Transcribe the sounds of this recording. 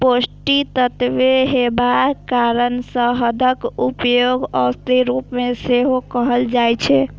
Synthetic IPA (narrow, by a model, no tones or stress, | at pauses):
posʈit̪ət̪ʋeɦebakaɾənsə̃ɦəd̪ʱəkupjoɡəst̪iɾupmeseɦokəɦəld͡ʒajt͡ʃʰɛ